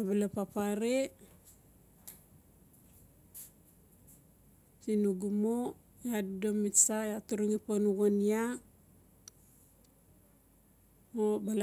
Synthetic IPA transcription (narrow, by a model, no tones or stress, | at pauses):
abalapapaɾe | sinuɡumo | jaddomisajatuɾuŋiponuɣonia | mobal